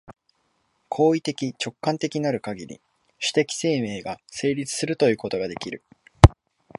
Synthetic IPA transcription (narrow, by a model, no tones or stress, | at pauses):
kʰo̞ːit̪e̞kʲit͡ɕo̞kːãnt̪e̞kʲinaɾɯ̟kaɡʲiɾʲḭ | ɕi̥t̪e̞kʲi̥se̞ːme̞ːɡase̞ːɾʲit͡sɨ̥sɨɾɯ̟t̪o̞jɯ̟ːko̞t̪o̞ɡad̪e̞kʲiɾɯ̟